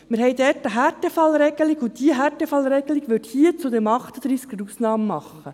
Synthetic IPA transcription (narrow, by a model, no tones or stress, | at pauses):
mɪɾɦɛjdɛtəɦætɛfɑlɾɛɡ̥əliɡʊtd̥iəɦætɛfɑlɾɛɡ̥əliɡʋʏthiət͡sudɛmɑχtəd̥ɾiːskəɾuːsnɑːmmɑχːə